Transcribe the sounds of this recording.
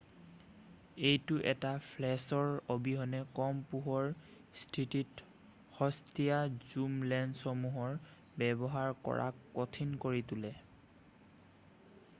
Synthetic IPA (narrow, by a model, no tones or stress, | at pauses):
ejtʊʔɛtapʰlɛsɔɹobiɦɔnɛkɔmpuɦɔɹ | stʰitit | hɔstijazumlɛnsɔmuɦɔɹ | bɛbɔɦaɹkɔ̰ɹa̰otʰinkoɹitulɛ